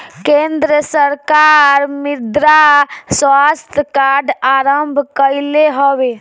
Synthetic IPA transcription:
kend̪ɾəsəɾkaɾmid̪ɾaswast̪ʰkaɖaɾəmbʱkəjleɦobe

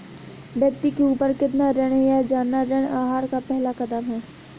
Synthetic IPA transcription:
bjɐk̚t̪ikeuːpəɾkɪt̪naɾɛɽ̃ejad͡ʒaːnːaɾəɽ̃aːɦaːɾkapɛɦlakɐd̪əmɦɛː

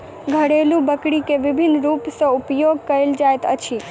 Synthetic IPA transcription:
ɡʱəɽelũbəkɽikeʋɪbʱɪnɾupsõʊpjoɡkəild͡ʒajt̪ə̰t͡ʃʰi

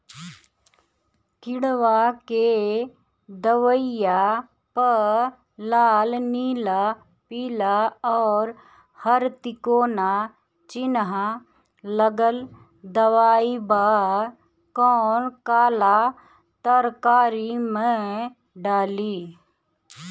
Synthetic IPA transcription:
kɪɽʋake | d̪əʋəɪja | pə | laːlniːla | piːlaɔːɾ | həɾt̪ɪkoːna | t͡ʃɪnɦa | ləɡəl | d̪əʋaːibaː | kɔːnkaːla | t̪əɾkaːɾimẽ | ɖaːliː

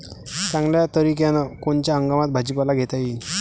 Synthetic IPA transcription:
t͡sãŋɡljat̪əɾikjanakoɳt͡ɕjaəŋɡamat̪̚bʱad͡ʑipalaɡʱet̪aji

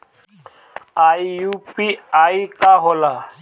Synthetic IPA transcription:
aːijupiaːikaɦola

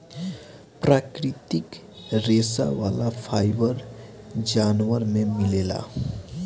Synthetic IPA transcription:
pɾaːkɾɪt̪ɪk | ɾeːsa̰ʋaːlapʰaːjbəɾ | d͡ʒaːnʋəɾmẽmɪleːla̰

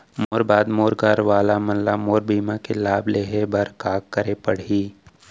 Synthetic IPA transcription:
moːɾbaːd̪moːɾɡaːɾʋaːlamɐllamoːɾbiːmãkelaːbleːɦebɐɾkaːkːəɾepɐɽ̤iː

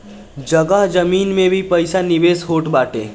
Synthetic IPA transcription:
d͡ʒɐɡəɦd͡ʒɐmiːnmẽbʱipɐɪsanɪʋeːsɦoːʈbaːʈḛː

